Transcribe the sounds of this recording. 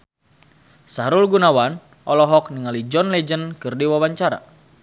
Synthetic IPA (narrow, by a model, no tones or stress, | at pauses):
saɾulɡunawan | ʔɔlɔɦɔk̚niŋalid͡ʒɔnlɛd͡ʒənkɨrdiwawaɲt͡ʃaɾa̰